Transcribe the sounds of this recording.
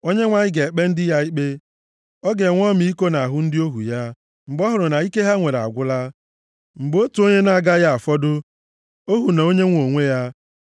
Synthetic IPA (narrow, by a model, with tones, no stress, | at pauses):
o˦ɲe˦ŋʷa˨ɲɪ˦ɡe˨e˨k͡pe˦n̩˦dɪ˦ja˦i˦k͡pe˦ | ɔ˦ɡe˨ŋʷɔ˦mi˨i˦ko˦na˨a˨ɦʊ˦n̩˦dɪ˦o˦ɦṵ˨ja˦ | m̩˨ɡ͡bɔ˦ɦʊ˨ɾʊ˨na˨i˦ke˦ɦa˦ŋʷe˨ɾa̰˨ɡʷʊ˦la˦ | ŋ͡m̩˨ɡ͡bo˦tu˨o˦ɲe˦na˦˨ɡa˦ja˦a˨fɔ˦dʊ˦ | o˦ɦu˨na˨o˦ɲe˦ŋʷo˨ŋʷe˦ja˦